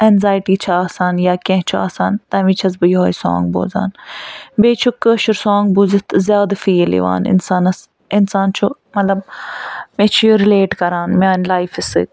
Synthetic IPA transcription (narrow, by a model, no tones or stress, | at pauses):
enzaːjʈiːt͡ʃʰuaːsaːnjaːkẽɦt͡ʃʰua̰ːsa̰ːnt̪ɐmit͡ʃʰɐsbɨjoɦojsɔ̰ːŋɡbo̰ːza̰ːnbeːt͡ʃʰukəʃʰuɾsoːŋɡbuzit̪ʰzʲaːd̪fiːlḭʋa̰ːnɪ̰nsaːnɐs | ɪnsaːnt͡ʃʰumɐt̪lɐb̚ | met͡ʃʰujoɾɪleːʈkɐɾaːnmaːnlaːjfisɨ̰k